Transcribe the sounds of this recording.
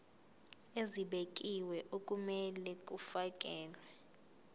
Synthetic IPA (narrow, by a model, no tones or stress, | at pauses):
eziɓek̬ʼiwɛʔok̬ʼumɛlɛk̬ʼufak̬ʼɛːlwɛ